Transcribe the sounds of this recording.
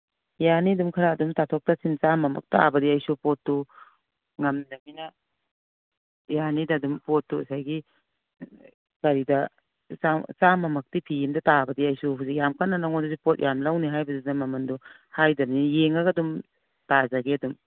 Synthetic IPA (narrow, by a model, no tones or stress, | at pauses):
janidumkʰɐɾaːdumtatʰɔk̚tasint͡ʃamːɐmɐ̰k̚ta̰bɐdiajsupɔtːu | ŋɐmdɐminɐ | janidadumpɔtːuɐsajɡi | kaɾidɐ | sasamːɐmɐk̚tipʰijimdɐtabɐdiajsuɦuzik̚jamkʰanːanaŋɔnduzipɔt̚jʔamlawniɦajbɐzidamɐmɐndu | hajdɐmnijeŋaɡadum | tazaɡeɐdum